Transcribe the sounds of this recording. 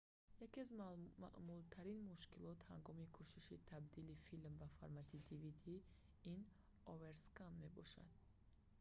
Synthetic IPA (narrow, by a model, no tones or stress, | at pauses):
jakiazma̰ʔmult̪ʰaɾinmuʃkilɔt̪haŋɡɔmikʰuʃiʃit̪ʰabd̪ilifilmbafa̰ɾmat̪ʰid̪ivid̪i | in | ɔve̞ɾskamːe̞bɔʃa̰d̪̥